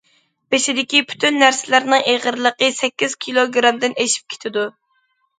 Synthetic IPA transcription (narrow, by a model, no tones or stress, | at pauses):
beʃɪd̪ɪkʲipʰy̥t̪ʰynːæɾsɪlæɾnɨŋeʁəɾlˠəqəsɛkʲːiz̥kʲʰilˠoɡɾɑmd̪ɪneʃi̥p̚kʲʰe̥t̪ʰɪd̪u